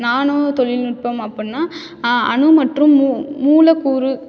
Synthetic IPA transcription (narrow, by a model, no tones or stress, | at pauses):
naːnoːt̪ɔɻɪlnɪʈ̚pɐmɐpːɐnːaː | ɐ̰ɳɯmɐʈrɯmːuːuːlɐkuːɾɯ